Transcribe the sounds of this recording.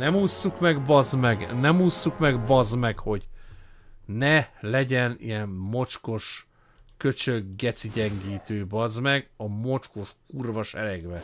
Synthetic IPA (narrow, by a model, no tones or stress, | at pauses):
nɛmuːsːukmɛɡbɒzmɛɡnɛmuːsːukmɛɡbɒzmɛkho̞ɟ | nɛlɛɟɛnḭjɛmmo̞t͡ʃko̞ʃ | kø̞t͡ʃøɡɡɛt̪siɟɛŋɡiːt̪øːbɒzmɛɡɒmo̞t͡ʃko̞ʃurvɒʃɛlɛɡʋɛ